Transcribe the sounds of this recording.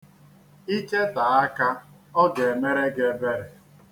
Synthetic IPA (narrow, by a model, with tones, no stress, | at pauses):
i˦ke˦ta˨a˦ka˦ | ɔ˦ɡe˨me˦ɾe˦ɡe˦be˦ɾe˨